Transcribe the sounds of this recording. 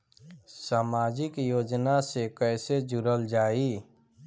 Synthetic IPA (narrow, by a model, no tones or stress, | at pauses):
saːmaːd͡ʒɪkjoːd͡ʒnasekɛːsed͡ʒʊɾəld͡ʒaːi